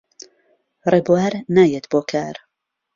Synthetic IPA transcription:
reːbuwaːɾnaːjet̪boːkʰaːɾ

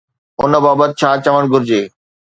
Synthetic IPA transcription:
ʊnə̆baːbət̪ɪ̆t͡ɕʰaːt͡ɕɐʋəɽ̃ɡʱʊɾɪd͡ʑeː

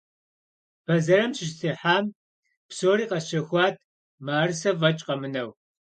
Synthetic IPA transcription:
b̥ɐzɐɾɐmʃɪʃsʰeːħaːm | psoːɾiːqɐɕɐxʷɑːtʰ | maːrɨsɐvɐt͡ʃʼqʼɐmɨnɐw

